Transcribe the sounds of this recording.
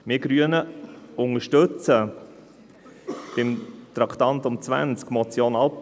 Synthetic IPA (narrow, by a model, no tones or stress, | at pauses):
mɪɡɾyənəʊŋəʃtɵt͡sə | b̥ɪmt̪ɾɑkʰt̪ɑnt̪ʊmt͡sʋæ̰nt͡skmɔt͡sjoːnɑlp